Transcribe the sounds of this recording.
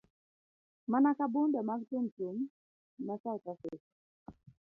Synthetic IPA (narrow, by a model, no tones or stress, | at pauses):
manakabundamak̚tumtum | nasatases